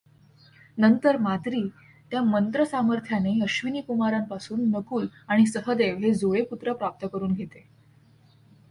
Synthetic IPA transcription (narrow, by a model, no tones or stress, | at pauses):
nənt̪əɾmat̪ɾiː | t̪jamənt̪ɾəsaməɾt̪ʰjaneəɕʋiniːkumaɾampasuːnːəkuːlaɽ̃isəɦəd̪eʋɦed͡zoeput̪ɾəpɾap̚t̪əkəɾuːnɡʱet̪e